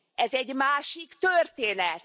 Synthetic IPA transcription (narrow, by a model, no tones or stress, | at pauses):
ɛzɛɟmaːʃikt̪ørt̪eːnɛt̪